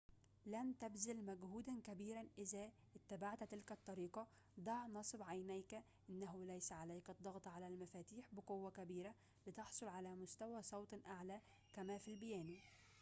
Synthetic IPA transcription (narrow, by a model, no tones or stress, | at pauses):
læmt̪æbzɪlmæɡhuːd̪ænkæbiːɾænʔɪzæ | ʔɪt̪ːæbaʕt̪t̪ɪlkæt̪ˤːɑɾiːqɑ | d̪ˤɑʕnɑsˤbʕajnæjkæ | ʔɪnːæɦʊlæjsæʕalæjkɑd̪ˤːɑɣt̪ˤʕalælmæfæːt̪iːħbɪqowːækæbiːɾæ | bɪt̪eħsˤolʕalæmʊst̪æwæsˤɑwt̪ˤʔaʕlæ | kæmæːfilbɪjæːni